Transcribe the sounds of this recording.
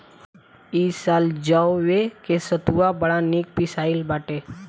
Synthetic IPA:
iːsaːld͡ʒawʋekesət̪uabəɽaniːk̚pɪsaːɪlbaːʈe

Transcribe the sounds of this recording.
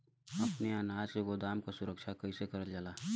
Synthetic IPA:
ɐpneaːnaːd͡ʒseɡoːd̪aːmkasʊɾəkʃʰakəisekəɾəld͡ʒaːlaː

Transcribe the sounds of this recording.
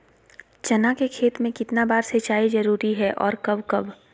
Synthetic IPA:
t͡ʃɐnakekʰeːt̪mẽkɪt̪nabaːɾset͡ʃaːizɐɾuːɾiɦɛʔɔ̰ːɾkɐbkɐb

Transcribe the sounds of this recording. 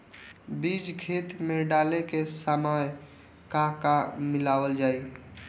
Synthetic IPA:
bid͡ʒkʰet̪meɖalekesamaj | kakamɪlawəld͡ʒaːi

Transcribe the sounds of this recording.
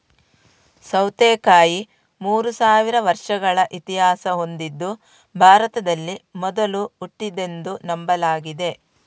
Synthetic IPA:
sɐwt̪eːkaːji | muːɾusaːʋiɾɐʋɐɾʂɐɡɐɭɐʔit̪iɦaːsɐɦo̞nd̪id̪ːu | bʱaːɾɐt̪ɐd̪ɐlːimɔd̪ɐluuʈːid̪e̞nd̪unɐmbɐlaːɡid̪e̞

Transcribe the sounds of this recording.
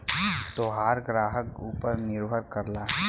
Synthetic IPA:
t̪oːɦaːɾɡɾaːɦəkuːpəɾnɪɾbʱəɾkəɾlaːɦɛ

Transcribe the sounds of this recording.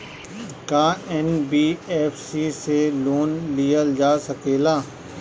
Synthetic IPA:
kaːɛnbiːɛːfsiseloːnlijəld͡ʒaːsɐkeːlaː

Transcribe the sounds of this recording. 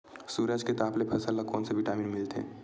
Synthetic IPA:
suːɾəd͡ʒket̪aːplepʰəsəlːəkɔːnsebʱɪʈaːmiːnmɪlt̪ḛ̃ː

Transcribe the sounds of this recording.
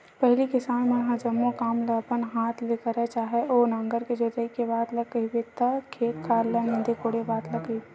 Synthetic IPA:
pɛɦlikɪsaːnmẽjɦãd͡ʒɐmːõkaːmləpənɦaːt̪ʰleːkəɾɦɛt͡ʃaːɦeʔoːnãːŋɡəɾked͡ʒoːt̪əikebaːt̪ləɡəibet̪əkʰeːkʰːaːlənɪ̃nd̪ekoːɽebaːt̪lɐɡəie

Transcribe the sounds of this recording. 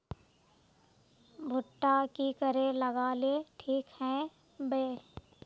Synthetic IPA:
bʱʊʈːakikəɾẽləɡaːleʈʰiːkhɛ̃ | be

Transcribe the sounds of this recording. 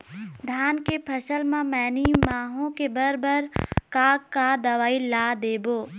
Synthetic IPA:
d̪ʱaːnkepʰəʃəlmãmɛːnimaːɦõkebəɾbʱəɾkaːkːad̪ɐʋaːilaːd̪eːboː

